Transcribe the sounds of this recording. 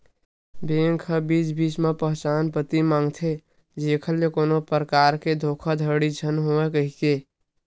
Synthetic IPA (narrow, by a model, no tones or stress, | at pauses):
beːŋkʰəbiːt͡ʃbiːt͡ʃmepəɦt͡ʃaːnpət̪imãːŋɡt̪ʰe | d͡ʒeːkʰəljekoːnopəɾəkaːɾked̪ʱoːkʰad̪ʱəɽid͡ʒʱənɦoekəɦike